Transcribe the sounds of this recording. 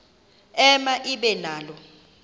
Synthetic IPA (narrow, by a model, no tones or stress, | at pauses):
ɛmaʔiɓɛnaːlɔ